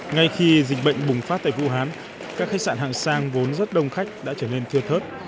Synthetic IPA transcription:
ŋa˧jxi˧zï˨˩k̚ɓə̰˧˨jŋ̟ɓʊ˨˩ŋ͡mfaː˦˥t̚t̪ːvṵ˧˨ɦaː˨˦n | kaː˦˥kxa˦˥k̚sa̰ː˧˩nɦa̰ː˧˨˩ŋsaː˧ŋvo˨˦nzə˦˥t̚ɗə˧wŋ͡mxa˦˥jk̟̚ɗa̰ː˧˥t͡ɕəː˧˩ne˧nt̪ʰɨ˧ət̪ʰəː˦˥t̚

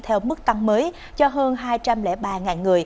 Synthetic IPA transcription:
t̪ʰɛ˧wmɨ˦˥k̚t̪a˧ŋməː˨˦j | t͡ɕɔ˧ɦəː˧nɦaː˧jt͡ɕa˧mlɛ̰˧˥ɓaː˨˩ŋaː˨˩nŋɨ˨˩əj

